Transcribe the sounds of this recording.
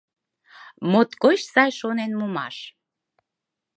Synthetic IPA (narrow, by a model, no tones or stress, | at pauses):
mot̪kot͡ɕsɑjʃonenmumɑ̰ʃ